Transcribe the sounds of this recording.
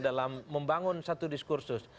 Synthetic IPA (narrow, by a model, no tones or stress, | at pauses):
dalamːəmbaŋʊnsat̪udiskursʊs